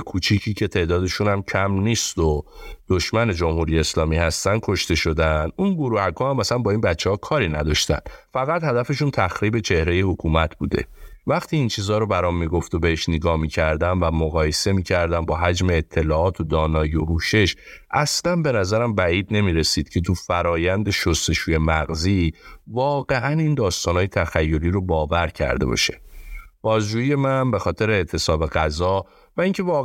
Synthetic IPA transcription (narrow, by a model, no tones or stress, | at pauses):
kʰut͡ʃʰicʰiːcʰe̞t̪ʰe̞ːʔd̪ɒːd̪e̞ʃunæmcʰæmniːst̪od̪̥oʃmæne̞d͡ʒomhuːɾijeːslɒːmiːhæst̪æn̥̚kʰo̞ʃt̪e̞ʃo̞d̪ænʔunboɾuːhæɡɔːhæmæsænbɒːinbætt͡ʃʰːehɒːkʰɒːɾiːnæd̪ɒʃt̪æ̰nfæɣæt̪hæd̪æfe̞ʃunt̪ʰæxɾiːbe̞t͡ʃʰe̞hɾe̞je̞hokʰuːmæt̪ʰbuːd̪e̞̰væxt̪ʰiːint͡ʃʰiːzɒːɾobæɾɒmːiɡo̞ft̪obehe̞ʃneɡɒːhmicʰæɾd̪ænvæmoɣɒːje̞se̞miːcʰæɾd̪ænbɒːɦæd͡ʒme̞ːt̪ʰːe̞lɒːɒːt̪ʰod̪ɒːnɒːjiohuːʃe̞ʃʔæslænbe̞næzæɾæmbæiːd̪ne̞miːɾe̞siːd̪̥cʰe̞t̪ʰufæɾɒːjænd̪e̞ʃost̪e̞ʃuːje̞mæɣzivɒːɣe̞ʔænind̪ɒːst̪ɒːnɒːjet̪ʰæxæjːoɾiːɾobɒːvæɾcʰæ̰ɾd̪e̞bɒ̰ʃe̞̥b̥ɒːzd͡ʒuːjije̞mænbe̞xɒːt̪ʰe̞ɾeːʔt̪ʰe̞sɒːbe̞ɣæzɒ | væiŋcʰe̞vɒː